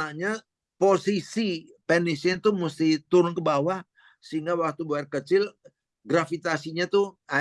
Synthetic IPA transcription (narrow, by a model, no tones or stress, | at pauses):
aɲa | posisi | pɛnisnt̪ʊhmust̪ɪht̪uɾʊnkəbawah | səiŋɡawak̚t̪ubəarkət͡ʃɪl | ɡɾafit̪asiɲat̪ʊa